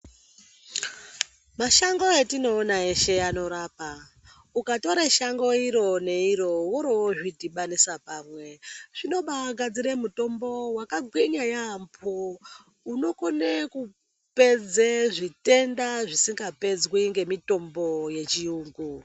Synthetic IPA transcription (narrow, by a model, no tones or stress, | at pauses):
maʃaŋɡo̞etino̞ːnae̞ʃe̞ano̞ɾaːpa | ukato̞ɾeʃaŋɡo̞iɾo̞ne̞iɾo̞woɾowoʐidʱiɓanisapaːmwe̞ʐ̥ino̞ɓaɡʱad͡ziɾemuto̞mbo̞wakaɡʱwiɲajampʰo | uno̞koneku | pe̞d͡zeʐite̞ndaʐisiŋɡape̞d͡zwiŋɡe̞mito̞mbo̞je̞t͡ʃiuːŋɡu